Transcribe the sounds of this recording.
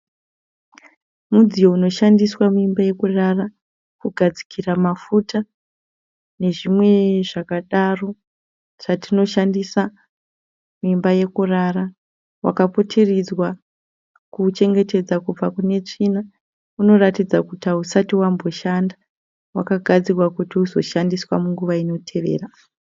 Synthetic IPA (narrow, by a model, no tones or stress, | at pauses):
mud͡zijo̞uno̞ʃandiswamuimbaje̞kurara | kuɡʱad͡zi̥kʰiramafutʰa | ne̞ʐimwe̞ʐakaɗaro̞ | ʐatino̞ʃandisa | muimbaje̞kurara | wa̰kapo̞tʰe̞rid͡zwa | kut͡ʃe̞ŋɡe̞te̞d͡zakub͡vakune̞t͡ʂina | uno̞ratid͡zakutausatiwambo̞ʃanda | wa̰kaɡʱad͡zirwakutiuzo̞̰ʃandiswamuŋɡuʋaino̞tʰe̞ʋe̞̰ːra